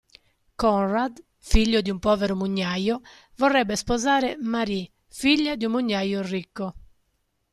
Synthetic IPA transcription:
kɔnrad̪ | fiʎːod̪iumpɔːveɾʊmuɲːajo | vorːɛbːespozaːɾemaɾi | fiʎːad̪iumːuɲːajorikːo

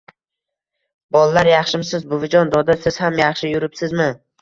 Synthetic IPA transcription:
bɒlˠalaɾjɑχʃɪmsɪzbʊvɪd͡ʒɒnd̪ɒd̪asɪz̥hamjɑχʃɪjʊɾɪpsɪzmɪ

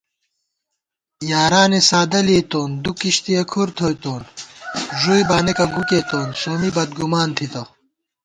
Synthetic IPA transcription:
jaːɾaːnesaːd̪ɐleːt̪oːnd̪ukiɕt̪iɐkʰuɾt̪ʰojt̪oːn | ʐujbaːnekɐɡuket̪oːnsoːmibɐd̪̚ɡumaːnt̪ʰit̪ɐ

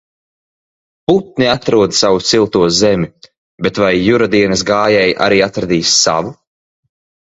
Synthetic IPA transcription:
put̪̚niat̪ɾuɔd̪savut̪silˠt̪uɔzɛmʲi | bet̪vajːuɾad̪iɛnɨs̬ɡaːjɛjʔa̰ɾiːat̪ɾad̪iːsːa̰vu

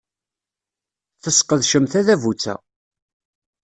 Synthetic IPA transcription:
θəsqəðʃəmθæðævut͡sːæ̰

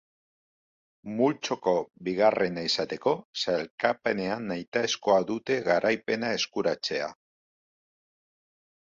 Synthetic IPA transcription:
mult͡ʃo̞ko̞βiɣ̞arʔe̞naisat̪e̞ko̞salkape̞ne̞anːajt̪aesko̞aðut̪e̞ɣaɾʔajpe̞nae̞skuɾat͡se̞a̰

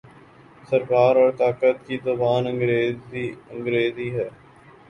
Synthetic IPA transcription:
səɾkaːɾɔːɾt̪aːkət̪kizəbaːnəɡɾ | ə̃ŋɡɾeːziːɦɛː

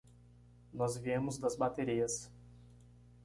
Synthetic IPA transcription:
nɔs̬ʋʲiɛmʊsd̪ɐsbɐt̪ʲɛɾʲɪjɛs

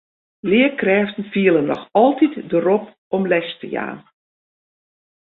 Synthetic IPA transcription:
lɪəkrɛːftn̩fiəlˠənɔ̰xɔlˠtitdərɔp̚ | ɔmlɛstə̰ja̰ːn

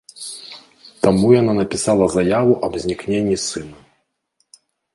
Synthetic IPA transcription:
t̪amujananɐpʲisalˠɐzajavuʔɐbzʲnʲiknʲenʲːisɨnɐ

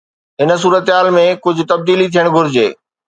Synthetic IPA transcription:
ɦɪns̬uːɾət̪ɦaːlmẽkʊd͡ʑʱʊ̆t̪ɐb̚d̪iːlit̪ʰijəɽ̃ɡʱʊɾɪd͡ʑeː

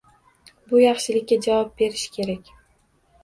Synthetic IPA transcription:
bʊjɑχʃɪlɪkʲːad͡ʒavɒp̚be̞ɾɪʃkʲʰe̞ɾakʲ

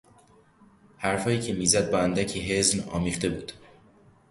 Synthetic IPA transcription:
hæɾfɒːiːcʰe̞miːzæd̪̚bɒːænd̪æcʰiːɦe̞znɒ̰ːmiːχt̪e̞buːd̪̥

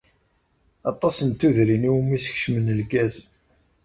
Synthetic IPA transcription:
ɑt̪ˤːɑsənt̪ːuðɾiniwmisə̥çʃmənəlkæz

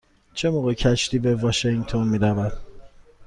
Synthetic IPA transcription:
t͡ʃʰemoːɣecʰæʃt̪ʰiːbevɒʃeŋɡt̪ʰonmiːɾævæd̪

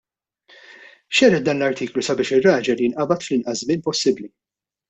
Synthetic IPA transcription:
ʃɛɾɛt̪̚d̪ɐːnlɐɾt̪iːklusɐbɪːʃɪrːɐːd͡ʒɛljɪnʔɐbɐt̪flɪnʔɐszmɪnpɔsːɪbli

